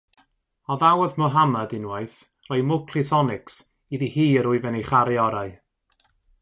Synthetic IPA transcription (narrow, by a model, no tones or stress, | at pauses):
ɔðawəðmɔɦamadɪnwaɨθ | rɔɨmʊkʰlɪsɔnɪks | iðihiːəɾʊɨvɛnejχaɾiɔɾaɨ